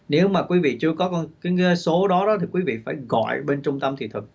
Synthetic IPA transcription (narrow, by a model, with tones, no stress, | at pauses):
ne˨˦wmaː˨˩kwi˨˦vḭ˧˨t͡ɕɨ˧əkɔ˨˦kɔ˧nkaː˨˦jso˨˦ɗɔ˨˦ɗɔ˨˦t̪ʰi˨˩kwi˨˦vḭ˧˨faː˧˩jɣɔ̰˧˨jɓe˧nt͡ɕʊ˧ŋ͡mt̪ə˧mt̪ʰi˨˩t̪ʰɨ˨˩k̚